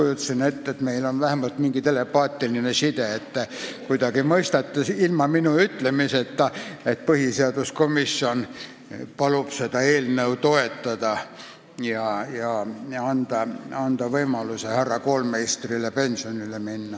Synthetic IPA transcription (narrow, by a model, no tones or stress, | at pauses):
ujut̪ːsinet̪ːet̪meilonʋæhæmɑlt̪miŋɡ̥it̪elepɑːt̪ːilinesid̪eet̪ːækuid̪ɑɡ̥imɤist̪ɑt̪ːesilmɑminuyt̪lemiset̪ːæet̪̚pɤhiseɑd̪uskomisːion | pɑlub̥set̪ɑeːlneut̪oet̪ːɑd̪ɑ | jɑjɑɑnd̪̥ɑɑnd̪ɑʋɤimɑlusehærːɑkoːlmeist̪rilepensionileminːɑ